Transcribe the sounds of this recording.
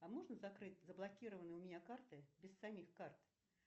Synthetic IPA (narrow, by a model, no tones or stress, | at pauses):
amoʐnəzɐkɾɨtʲzəblˠɐkʲiɾəvənɨjʊmʲɪnʲakart̪ɨbʲɪsːamʲixkart̪